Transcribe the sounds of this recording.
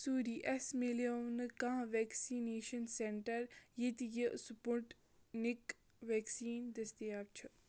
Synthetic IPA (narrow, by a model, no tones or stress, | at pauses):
suːɾiːʔesmeleɐwnɨkãːʋeːksineːʃɐnseɳʈɐɾjit̪ijəsupuʈ | nik | ʋeːksiːnd̪est̪ijaːb̚t͡ʃʰu